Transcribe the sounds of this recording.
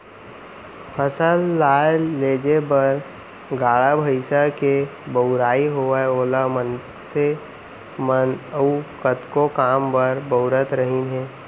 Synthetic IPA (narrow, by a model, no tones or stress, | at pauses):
pʰəsəlːaːjleːd͡ʒebəɾ | ɡaːɭabʱəɪsakebəʊɾaːiɦoaoːlamən | se | mənəukət̪kokaːmbəɾbəʊɾət̪ɾəɦinɦɛ̃ː